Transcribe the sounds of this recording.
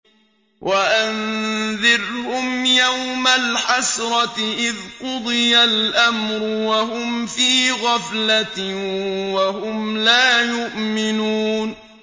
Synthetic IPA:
wʔaʔanðɪɾhʊmjawmalħasɾˤɑt̪ɪʔɪðqʊd̪ˤɨjalʔamɾʊwaɦʊmfiːɣɑflat̪ | wahʊmlaːjʊʔmɪnuːn

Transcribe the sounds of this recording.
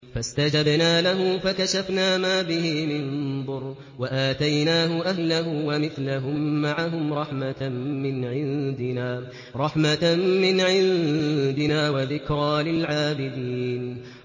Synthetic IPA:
fast̪ad͡ʒabnaːlaɦʊfakaʃafnaːmaːbɪhɪmɪnðˤʊɾ | waʔaːt̪ajnaːɦʊʔahlaɦʊwamɪθlaɦʊmːaʕaɦʊmɾˤɑħmamɪnʕɪnd̪ɪnaː | ɾˤɑħmaːɪnʕɪnðd̪ɪnaːwaðɪkɾˤɑːlɪlʕaːbɪd̪iːn

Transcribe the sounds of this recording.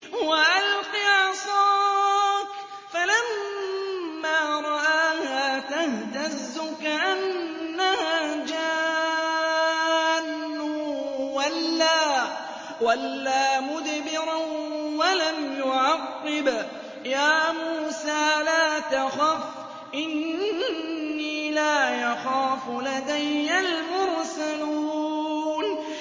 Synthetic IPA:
waʔalqiʕsˤɑːk | falamː | aːɾˤɑʔaːhaːt̪aht̪azːʊkaʔanːahaːd͡ʒa | nː | ʊwalːaː | walːaːmʊd̪bɪɾawalamjʊʕɑqːɪb | jaːmuːsaːlaːt̪axaːf | ʔɪn | iːlaːʔɑxaːflad̪ajːalmʊɾsaluːn

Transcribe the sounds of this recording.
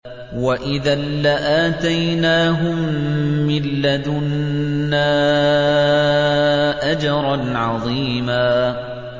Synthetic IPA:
waʔɪðaːaʔaːt̪ajnaːɦʊmː | ɪlːad̪ʊnːaː | ʔad͡ʒɑɾˤɑnʕɑðˤiːmaː

